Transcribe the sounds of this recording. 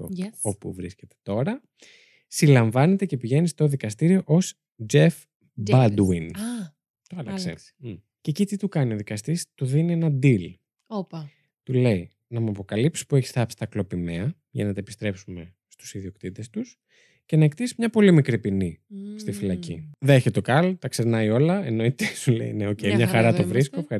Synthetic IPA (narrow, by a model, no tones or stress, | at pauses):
opṵvɾisce̞t̪e̥t̪o̞ɾɐ | silɐɱvɐne̞t̪ece̞piʝe̞nist̪oðikɐst̪iɾio̞ʔo̞s | d͡ʒe̞f | bɐd̪win | sḛ̥ | cecit̪it̪ukɐnio̞ðikɐst̪ist̪uðinienɐd̪il | pɐ | t̪ule̞j | nɐmuɐpo̞kɐlipsi̥pueçi̥sθɐpsi̥t̪ɐklo̞pimeɐ | ʝɐ̰nɐt̪ɐepist̪ɾe̞psume̞ | st̪u̥siðio̞kt̪it̪e̞st̪us | ce̞nɐekt̪isi̥mɲɐpo̞limikɾipinist̪ifilɐcḭðeçet̪o̞kɐlot̪ɐkse̞ɾnɐjo̞lɐenoit̪esulḛjneo̞cejmɲɐxɐɾɐt̪ovɾiskofxɐ